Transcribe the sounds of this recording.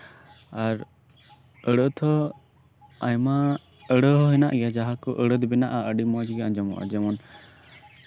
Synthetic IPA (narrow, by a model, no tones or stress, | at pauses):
aɾ | əɽət̪ʰɔ | ajma | əɽəɦɔɦina̰ʔɡɛjad͡ʒaɦakɔʔəɽəd̪bɛnaʔaəɖimɔd͡ʒɡaaɲd͡ʒɔmɔ̰ʔa̰d͡ʒɛmɔn